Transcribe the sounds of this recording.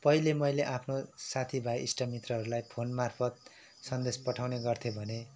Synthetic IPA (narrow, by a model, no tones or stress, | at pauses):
pʌɦilemʌjleʔapʰnosat̪ʰibʱajḭsʈʌmit̪rʌɦʌɾulajpʰonmarpʰʌt̪̚ | sʌnd̪espʌʈʰawneɡʌrt̪ʰjobʱʌne